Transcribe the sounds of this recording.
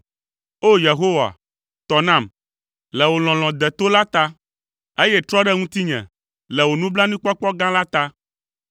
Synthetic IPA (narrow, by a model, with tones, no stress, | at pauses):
o˦je˨ɦo˦wa̰˨ | t̪ɔ˨nã˦˨m | lɛ˨wo˨l̃ɔ̃˨l̃ɔ̃˨d̪ɛ˨t̪o˦la˦t̪a˦ | e˦jɛ˦t̪ɾɔ˦ɖɛ˦ŋũ˦t̪i˦ɲɛ̰̃˨ | lɛ˨wo˨nũ˦bla˦nĩ˦k͡pɔ˦k͡pɔ˦ɡã˦la˦t̪a˦